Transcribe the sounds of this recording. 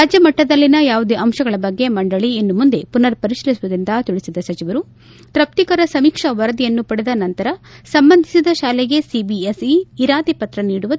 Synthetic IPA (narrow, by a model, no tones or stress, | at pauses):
ɾaːd͡ʒɐmɐʈːɐd̪ɐlːinɐjaːʋud̪eʔɐmʃɐɡɐɭɐbɐɡːe̞mɐɳɖɐɭienːumund̪e̞punɐɾpɐɾiʃilisʋud̪ind̪ɐt̪uɭisid̪ɐsɐt͡ʃiʋɐɾu | t̪ɾɐp̚t̪ikɐɾɐsɐmiːkʂɐʋɐɾɐd̪ijɐnːupɐɽed̪ɐnɐnt̪ɐɾɐsɐmbɐnd̪ʱisid̪ɐʃaːlɛɡe̞sibiesiːɾaːt̪ipɐt̪ɾɐniːɽuʋɐ